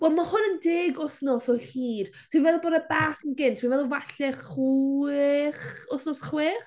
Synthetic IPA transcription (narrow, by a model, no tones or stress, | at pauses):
wɛlˠmahʊnəndeːɡʊθnɔsɔhiːr | tʰwivɛlˠboːdəbaːχənɡɪntʰwivɛlˠɔvaɬɛχ | χʊθnɔsχweːχ